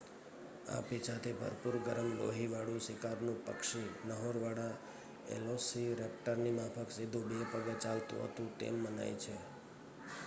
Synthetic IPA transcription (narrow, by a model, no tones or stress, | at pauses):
a̰pit͡ʃʰat̪ʰebʱə̰ɾpuɾɡəɾəmlo̰ɦiʋaɽũsɪkaɾnũpə̰kʃinəɦoɾʋaɽa | ḛlosiɾep̚ʈəɾnimapʰəksid̪ʱũbepəɡat͡ʃalt̪ṵ̃ɦə̰t̪ũt̪ḛmːəna̰jt͡ʃʰe